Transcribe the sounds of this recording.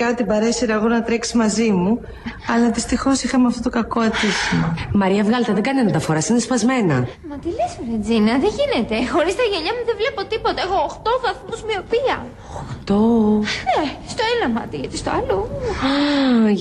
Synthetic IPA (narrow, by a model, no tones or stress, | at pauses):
kɐt̪ibɐɾe̞siɾɐɣonɐt̪ɾeksi̥zmɐzimu | ɐlɐðist̪ixo̞sixɐmeɐft̪o̞t̪okɐko̞et̪isimɐmɐɾiɐvɣɐlt̪ɐðeɡɐnienɐt̪ɐfo̞ɾɐsinespɐzme̞nɐ̰mɐt̪ilesɾed͡zinɐðeʝine̞t̪e̞xo̞ɾist̪ɐʝeɲɐmuðevle̞pot̪ipot̪ɐexoːxt̪o̞vɐθmuzmio̞piɐ | oxt̪onest̪oenɐmɐ̰t̪iʝɐt̪ist̪oɐlo